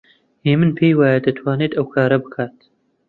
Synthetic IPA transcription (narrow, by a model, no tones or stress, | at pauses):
heːmɨnpʰeːjwɑːjɛd̪ɨt̪ʰwɑːneːt̪ɐwkʰaːɾɐbɨkʰaːt̪